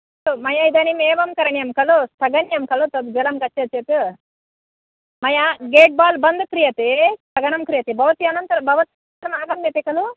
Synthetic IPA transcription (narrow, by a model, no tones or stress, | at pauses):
umɐjɐid̪ɐːnimɛːʋɐmkɐɾɐɳjɐmkɐlust̪ʰɐɡɐɳjɐmkɐlut̪ɐb̪bɛlɐmkɐt͡ʃːet͡ʃet̪u | mɐjɐɡeːʈ̚baːlbɐnd̪ukɾijɐt̪ist̪ʰɐɡɐnɐmkɾijɐt̪ibɐʋɐt̪iɐnɐnt̪ɐɾɐbʱɐʋɐt̪i | ɐɾɐmaːɡɐmjɐt̪ikɐlu